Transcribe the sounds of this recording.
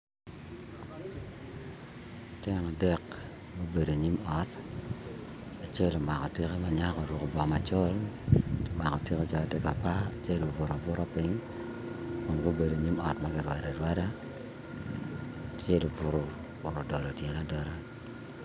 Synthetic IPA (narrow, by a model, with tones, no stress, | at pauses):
tjɛ˦na˨dɛ˦k | ɡo˦be˨do˨ɲi˦mɔ˨t | a˨t͡ʃe˦lo˨ma˨kɔ˨ti˦ke˦ma˨ɲa˦kɔ˨ɾʊ˨kbɔ˨ma˨t͡ʃo˦l | ma˨kɔ˨ti˦ke˦t͡ʃɔ˨˦˨te˦ka˨pa˦˨t͡ʃe˦lo˨vʊ˨ɾɔ˨vʊ˦ɾo˦pɪ˦ŋ | o˨ŋɡo˦be˨do˨ɲi˦mɔ˨tma˦kɪ˨ɾwa˨da˨ɾwa˦da˦ | t͡ʃe˦lo˨vʊ˦ɾo˨ | bʊ˨ɾɔ˨dɔ˨lɔ˨tjɛ˨na˦dɔ˦ɾa˦